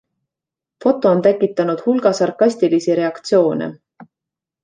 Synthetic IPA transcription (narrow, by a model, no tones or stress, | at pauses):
fo̞t̪ːˑo̞ont̪ækːˑit̪ːˑɑnud̪̥hulɡ̥ɑsɑrkɑsʲt̪ilisiɾe̞ɑkt̪sio̞ːnḛ